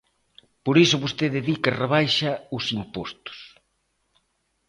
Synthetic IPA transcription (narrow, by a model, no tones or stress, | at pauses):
poɾisʊβost̪eðeðikɐreβ̞ajʃɐʊsimpost̪ʊ̥s